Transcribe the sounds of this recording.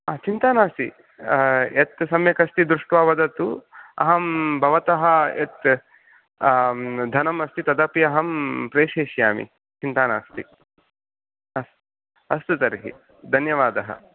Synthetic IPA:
aːt͡ʃint̪aːnaːst̪ḭ | et̪sɐmjɐkɐst̪id̪ɾuʂʈʋaːʋɐd̪ɐt̪uɐ̰ɦɐmbʱɐʋɐt̪ɐɦɐet̪ | d̪ʱɐnɐmɐst̪it̪ɐd̪ɐpiɐɦɐmpɾeːʃeːʃjaːmḭ | t͡ʃint̪aːnaːst̪ḭ | ɐs | ɐst̪ut̪ɐɾɦḭ | d̪ʱɐnjɐʋaːd̪ɐɦɐ̰

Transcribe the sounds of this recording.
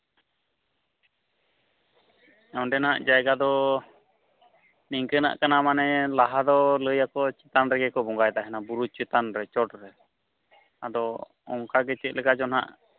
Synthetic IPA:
aw̃ɖɛnaʔd͡ʒajɡad̪ɔ | niŋkəna̰ʔkanamanɛlaɦad̪ɔləjakɔt͡ʃɛt̪anɾɛɡɛkɔbɔŋɡajd̪aɦɛnabuɾut͡ʃɛt̪anɾɛt͡ʃɔʈɾɛ | ad̪ɔ | ɔŋkaɡɛt͡ʃɛt̪̚lʔɛkad͡ʒɔnɦa̰ʔ

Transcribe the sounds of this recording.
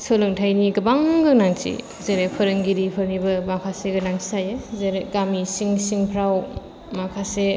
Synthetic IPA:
solɯŋtʰajniɡɐbaŋɡɯnaŋt͡ʃḭ | zeɾepʰɐɾɯŋɡiɾipʰɯɾnibɐmakʰaseɡɯnaŋsʰi̥sajɯzeɾeɡamisiŋsiŋpʰɾaw | makʰase

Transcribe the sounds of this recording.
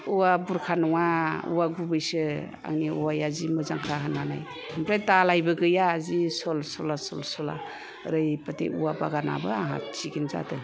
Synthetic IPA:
uwabuɾkʰanɔŋaṵwaɡubɯjsɯ | a̰ŋniuwajazimɯzaŋkʰaɦanana̰j | hampʰɾajtalajbɯɡɯjaːzisɔlsɔlasɔlsɔla̰ | ɾɯjpatḛuwabaɡana̰baaɦa̰t͡ʃiɡinza̰tɯ

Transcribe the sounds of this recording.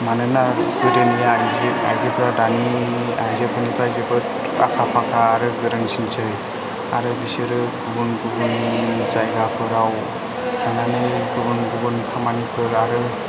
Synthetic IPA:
manɯnaɡɯɾɯnijazia̰jzepʰɯɾadaniajzepʰɯnitʰajzebɯɾ | akʰapʰakʰaːɾɯɡɯɾɯnsinsɯj | aɾɯbisɯɾɯɡubunɡubɯnizajɡapʰɯɾaw | ananɯɡɯbɯnɡubɯnkʰamanipʰɯɾaɾɯ

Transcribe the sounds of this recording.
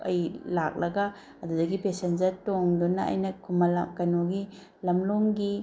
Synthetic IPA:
ɐjlak̚lɐɡɐ | ɐdudɐɡipesend͡ʒɐɾtoŋdunɐɐ̰jnɐkʰumɐlakɐnoɡi | lɐmloŋɡi

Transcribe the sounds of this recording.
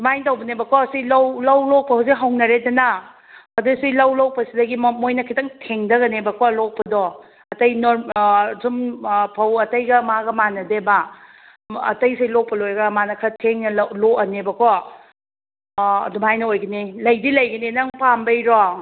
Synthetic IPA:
dumajntawbɐnebɐkʰɔsilawlɐwlɔk̚pɐhuwziɦɐwnɐɾedɐna | ɐdusilɐwlow̚pɐsidɐɡimmojnɐkʰitɐŋtʰeŋdɐɡɐnebɐkʰɔlɔk̚pɐdɔ | ɐtɐjnoɾsumpʰɐwɐtɐjɡɐmaɡɐmanɐdeba | ɐ̰tɐjselɔk̚pɐlojɐɡɐmanɐkʰɐtʰeŋnɐlloɐnebɐkʰɔ | dumajnɐojɡɐnilɐjdilɐjɡɐnenɐŋpambɐjɾɔ

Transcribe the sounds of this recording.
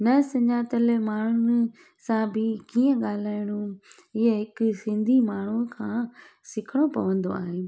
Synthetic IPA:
nɐsɐ̃ɲaːt̪əlmaːɳ̤ʊnɪ | sãbʱɪkiːə̃ɠaːl̤aːɪɽ̃ũ | ɪɦəɦɪkʊsɪ̃nd̪ʱimaːɳ̤ukʰãː | sɪkʰɪɽ̃opɐ̰ʋə̃nd̪o̰a̰ːɦeː

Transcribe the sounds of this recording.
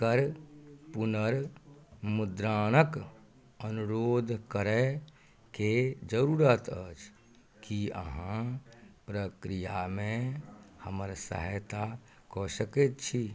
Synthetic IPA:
kəɾpunəɾ | mud̪ɾaːnək | ənuɾoːd̪ʱkəɾɛ | ked͡ʒəɾuɾət̪ət͡ʃʰ | kiə̰ɦãpɾəkɾijamẽhəməɾsə̰ɦət̪a | kɔsəket̪̚t͡ʃʰi

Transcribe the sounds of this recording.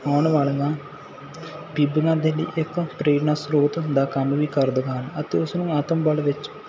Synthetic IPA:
aːɳʋaːlŋɡa | bibəŋãd̪elḭːʔekːpɾeːɾɳaːsɾoːt̪d̪aːkɐnuʋiːkɐɾd̪əkːanɐt̪eʊsnũːaːt̪əmbɐlʋɪt͡ʃ

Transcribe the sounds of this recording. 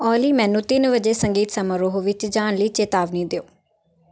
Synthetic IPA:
ɔːliːmɛ̃ːnũːt̪ɪnʋəd͡ʒeːsəŋɡiːt̪səməɾoːɦoʋɪt͡ʃd͡ʒaːɳ̃ləiːt͡ʃeːt̪aːʋniːd̪eoː

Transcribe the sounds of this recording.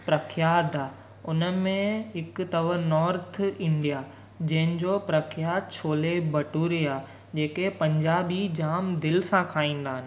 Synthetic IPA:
pɾɐkʰjaːd̪aː | ʊnəmẽɦɪkt̪ɐʋənɔːɾt̪ʰɪ̃ɳɖija | d͡ʑɐ̃ɦɪ̃nd͡ʑopɾɐkʰjaːd̪̚t͡ɕʰoːlebɐʈuːɾiaː | d͡ʑeːkepɐ̃ɲd͡ʑaːbid͡ʑaːmd̪ɪlsãkʰaːĩːn̆d̪aːɦɪnɪ̆

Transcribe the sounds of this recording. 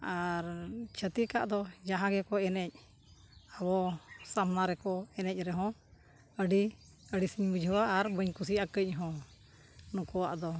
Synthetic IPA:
aɾt͡ʃʰət̪ika̰ʔd̪ɔd͡ʒaɦãɡɛkɔɛnɛc̚ | aβɔsamnaɾɛkɔɛnɛc̚ˀɾɛɦɔ̃ | əɖi | əɖisiɲbud͡ʒʱəwaʔaɾbəɲkus̬iakəc̚ˀɦɔ̃ | nũkɔwaʔd̪ɔ

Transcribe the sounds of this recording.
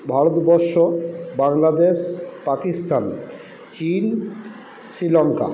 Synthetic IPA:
bʱaɾot̪bɔɾʃobaŋlad̪eʃpakist̪an | t͡ɕin | sɾilɔŋka̰

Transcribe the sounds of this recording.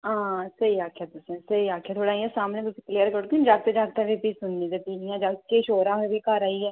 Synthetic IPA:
ãːsəiaːkʰjat̪ʊsẽsəiaːkʰjaːt̪ʰoɽaːiɛ̃saːmnẽːbʊsikliːəɾkəɽk̪id͡ʒaːk̚t̪ed͡ʒaːk̚t̪ɛ̃bipisʊnːid̪epiːnijãːd͡ʒaːkeʃoːɾãɦobikaːɾaːiɛː

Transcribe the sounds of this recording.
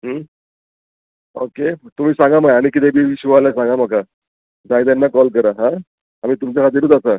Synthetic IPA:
ɦə | oket̪um̤iːsãŋɡamajaɽ̃ikit̪ebiiɕuʋalasãŋɡamaka | d͡zajt̪̬janːakɔlkəɾaɦã | amiːt̪umt͡ɕakʰat̪̬iːɾuːt̪̬asa

